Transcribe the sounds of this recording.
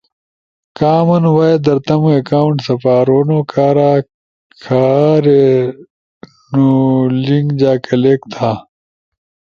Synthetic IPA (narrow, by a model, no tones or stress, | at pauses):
kaːmɐnwaːed̪ɐɾt̪ɐmuekaːuɳʈsɐpaːɾoːnoːkʰaːɾaː | kʰaːɾe | nuliŋɡd͡ʑaːkɐleːkt̪ʰaː